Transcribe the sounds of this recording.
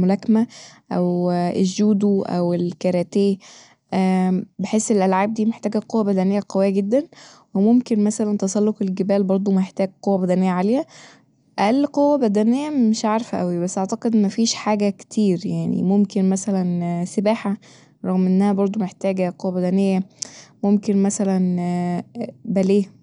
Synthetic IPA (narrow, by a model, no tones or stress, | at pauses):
molækmæʔæwʔeʒːuːd̪uʔæ̰welkɑɾˤæt̪eː | ʔbeħeːsːelʔælʕaːb̚d̪iːmeħt̪æːɡæqowːæbæd̪ænejːæqɑwejːæɡed̪ːænwemomkenmæsælænt̪ɑsˤɑlːofelɡebæːlbɑɾˤd̪ˤomeħt̪æːɡ̚qowːæbæd̪ænejːæʕaleːhæ | ʔælqowːæbæd̪ænejːæmeʃʕaɾˤfæʔæwibæsːʔaʕt̪ɑqed̪mæfiːʃħaːɡækt̪ʰiːɾjaʕnḭmomkenmæsælænsebaːħa | ɾˤɑɣmʔenːæhæbɑɾˤd̪ˤomeħt̪æːɡæqowːæbæd̪ænejːæmomkenmæsælæn | bæleː